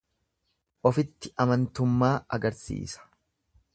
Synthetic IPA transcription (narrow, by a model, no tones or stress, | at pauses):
ʔɔfɪt̪ːɪʔɐmɐnt̪ʊmːaːɐ̰ɡɐɾsḭːsɐ̥